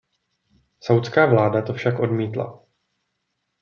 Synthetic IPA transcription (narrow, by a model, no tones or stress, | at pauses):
sawt̪t͡skaːvlaːdat̪o̞fʃakʔo̞dmiːt̪la̰